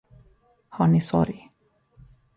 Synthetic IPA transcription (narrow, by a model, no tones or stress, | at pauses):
hɑːɳɪsɔ̰ɾj